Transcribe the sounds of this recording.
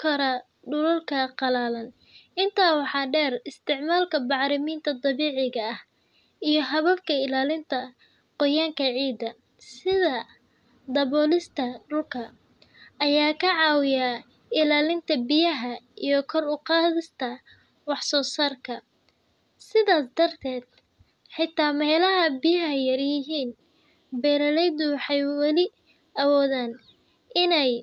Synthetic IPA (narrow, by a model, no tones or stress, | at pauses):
kʰɐɾɐ | ɖʊlʊlkʰɐqɑlaːlɐn | ɪnt̪ʰaːwɑħɑːɖɛːrɪst̪ʰɪʕmaːlkʰɐbɑʕɾɪmiːnt̪ʰɐd̪ˤɑβiːʕɪɣɐɐh | ijɞɦɐβɐfkʰɐɪlaːlɪnt̪ʰɐ | qɔjaːŋkʰɐʕiːd̪ɐ | sɪðɐ | d̪ɐβɔːlɪst̪ʰɐɖʊlkʰɐ | ʔɐjaːkʰɐʕɑːwɪja | ɪlaːlɪnt̪ʰɐbɪjɐɦɐijɞkʰɔrʊqɑːðɪst̪ʰɐ | wɑħsɔːsaːrkʰɐ | sɪðaːsd̪ɐrt̪ʰɛːd̪̚ | ħɪt̪ʰːaːmɛjlɐɦɐbɪjɐɛjːɐrjɪɦiːn | bɛːɾɐlɛjd̪ʊwɑħɑjwɑlɪ | ɐwɔːðaːn | ʔɪnɛj